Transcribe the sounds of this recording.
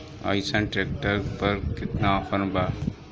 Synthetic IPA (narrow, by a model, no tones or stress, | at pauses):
a̰ːɪsənʈɾeːk̚ʈəɾpɐɾkɪt̪napʰənba